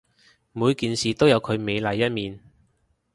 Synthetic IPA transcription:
muː˨˧jkiː˨nsiː˨t̪o˥wjɐ˨˧wkʰɵ˨˧ɥme˨˧jlɐ˨jːɐ˥t̚miː˨n

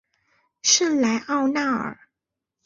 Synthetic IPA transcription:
ʂə˥˩nla˧˥ɪʔɑ˥˧ʊna˥˩ə̰˨˩

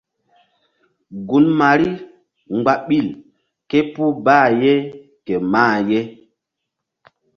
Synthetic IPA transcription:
ɡu˨nma˨ɾi˦ | ŋɡ͡ba˨ɓi˦˨l | ke˦pu˦baː˦˨je˦ | ke˨maː˦˨je˦

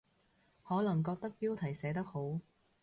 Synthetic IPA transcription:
hɔː˨˥lɐ˨˩ŋkɔː˧k̚t̪ɐ˥k̚piː˥wt̪ʰɐ˨˩jsɛː˨˥t̪ɐ˥k̚ho˨˥w

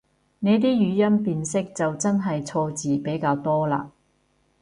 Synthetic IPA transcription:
ne˨˧˥jt̪̬iː˥jyː˨˧jɐ˥npiː˨˧nsɪ˥k̚t͡sɐ˨wt͡sɐ˥nɦɐ˨jt͡sʰɔː˧t͡siː˨pe˨˥jkaː˧wt̪ɔː˥la̰ː˧

